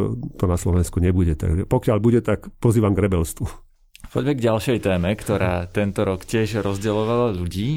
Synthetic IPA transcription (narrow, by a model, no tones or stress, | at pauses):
t̪ɔnaslɔʋɛnskuɲɛbuɟɛt̪a̰ɡʒɛpɔkɪaʎbuɟɛt̪akpɔziːʋamɡɾɛbɛlst̪ʋu | pɔɟmɛɡɟalʃɛjt̪ɛːmɛkt̪ɔɾaːt̪ɛnt̪ɔɾɔkcɪɛʃɾɔzɟɛlɔʋalaʎuɟiː